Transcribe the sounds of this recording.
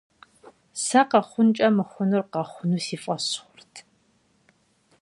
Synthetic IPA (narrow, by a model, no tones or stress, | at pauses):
sɐqɑχʷʊnt͡ʃʼɐmɨχʷʊnɨrqɑχʷʊnuːsiːfʼɐsχʷʊrtʰ